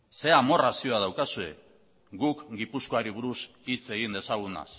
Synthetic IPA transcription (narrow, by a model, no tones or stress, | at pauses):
se̞amo̞rasio̞aðawkasue̞ | ɡukɡipusko̞aɾiβ̞uɾus | it͡se̞ɣind̪e̞saɣ̞una̰s